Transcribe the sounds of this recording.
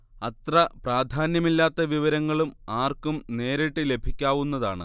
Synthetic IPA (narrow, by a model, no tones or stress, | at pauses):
ɐt̪rɐpraːd̪ʱaːnjɐmilːaːt̪ːɐʋiʋɐɾɐŋːɐɭumaːrkumne̞ːɾiʈːɨle̞bʱikʲːaːʋunːɐðaːɳɨ̰